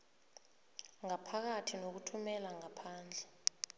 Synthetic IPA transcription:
ŋapʰak̬atʰinok̬utʰumɛlaŋapʰaːnd͡ɮʱɛ

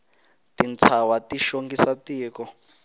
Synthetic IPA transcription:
tint͡sʰawatiʃoŋɡisatiːkɔ

